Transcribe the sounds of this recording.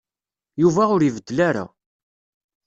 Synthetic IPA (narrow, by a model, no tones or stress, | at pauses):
juvæʊɾivəd̪ːəlaɾa̰